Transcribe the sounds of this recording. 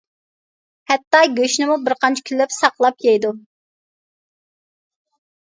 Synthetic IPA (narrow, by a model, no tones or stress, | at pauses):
hɛt̪ːɑɡʲøʃnɪmubɪɾqɑnt͡ʃʰɛ̥kʲʰylːɛpsɑqlˠɑp̚jɛjd̪u